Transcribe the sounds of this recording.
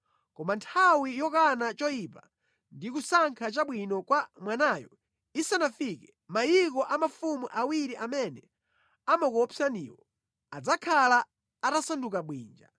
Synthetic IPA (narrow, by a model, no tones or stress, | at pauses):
kɔmantʰawijɔkanat͡ʃɔjipa | ndik̬usaŋkʰat͡ʃaɓwinɔkwamwanajɔ̰ | isanafikɛ | majikɔʔamafumuʔawiɾiʔamɛnɛ | amakɔɔpʰianḭwɔ | ad͡zakʰalaː | tasandukaɓwiːnd͡ʒa